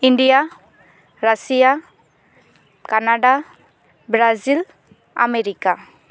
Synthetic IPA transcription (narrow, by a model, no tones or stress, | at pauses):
iɳɖia | ɾasia | kanaɖa | bɾazil | ʔa̰mɛɾika